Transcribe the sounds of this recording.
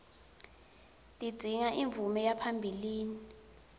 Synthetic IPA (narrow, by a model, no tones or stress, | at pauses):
dʱʼid͡z̥ʱiŋaʔiɱvumɛjapʰambʱiliːni